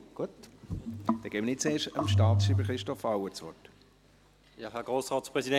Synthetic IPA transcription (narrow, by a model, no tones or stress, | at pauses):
ɡ̥uət | d̪̥ɛɡ̥eːmənɪtt͡seːʃəmʃtaːt̪sʃiːbəɾχɾɪʃtɔfawət͡sʋɔt | jɑːɦɛɐɡ̥ʁoːsʁɑːtspʁɛzidɛ